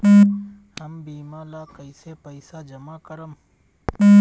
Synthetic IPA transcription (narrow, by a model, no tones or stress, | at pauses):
həmbiːmaːlakəɪsepəɪsad͡ʒɐmaːkəɾəm